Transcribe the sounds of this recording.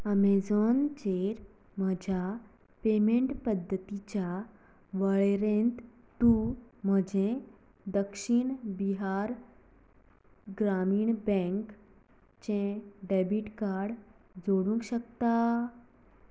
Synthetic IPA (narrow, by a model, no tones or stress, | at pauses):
əmed͡zɔnd͡ʑeɾ | m̤əd͡ʑʱja | pemeɳʈpəd̪ʱːət̪it͡ɕja | ʋəɭeɾẽnt̪ | t̪um̤əd͡ʑẽ | d̪əkɕiɳbiɦaɾ | ɡɾamiːɳbɛ̃ŋk | t͡ɕẽɖebiʈkaɾɽ | d͡zoɽũŋkɕəkt̪a